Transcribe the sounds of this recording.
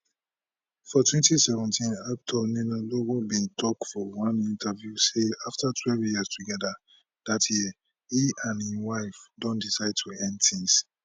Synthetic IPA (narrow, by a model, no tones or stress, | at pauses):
fɔtwɛ̃ntisɛvɛ̃ntĩnap̚tʰɔninalowɔbĩntʰɔk̚fɔwãnĩntavjuseaftʰatʰwɛlvjiastʰuɡɛda | d̥atʰjiə | hiãnhiwaɪfdɔ̃ndisaɪd̚tʰuɛ̃ndtĩŋs